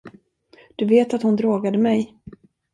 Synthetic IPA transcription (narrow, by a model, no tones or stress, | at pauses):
d̪̥ɵveːt̪at̪hʊnd̪ɾoːɡad̪əmɛj